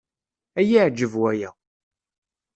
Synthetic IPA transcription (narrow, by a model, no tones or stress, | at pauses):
æjiʕd͡ʒːəvwæjæ